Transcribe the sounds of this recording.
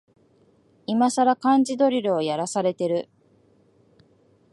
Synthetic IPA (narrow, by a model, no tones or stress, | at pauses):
imasaɾakãɲ̟d͡ʑid̪o̞ɾʲiɾɯ̟ojaɾasaɾe̞t̪e̞ɾɯ̟